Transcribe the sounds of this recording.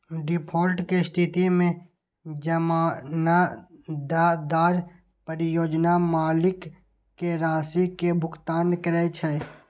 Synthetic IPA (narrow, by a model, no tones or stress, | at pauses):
ɖɪpʰoːɾʈkest̪ʰɪt̪imẽ | d͡ʒəmaːnad̪aːd̪aːɾ | pəɾɪjoːd͡ʒnamaːlɪkː | eɾaːsikebʱʊkt̪aːnkəɾɛt͡ʃʰɛ